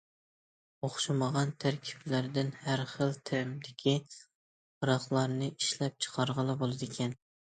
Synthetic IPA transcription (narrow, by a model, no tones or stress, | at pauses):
oχʃɨməʁɑnt̪ʰæɾkʲʰi̥plæɾd̪ɪnhæɾχəlˠt̪ʰæɾmd̪ɪkʲʰi | qəɾɑχlˠɑɾnɨʔiʃlɛp̚t͡ʃʰə̥qʰɑɾʁəlˠɑbolˠɨd̪ɪkʲʰɛn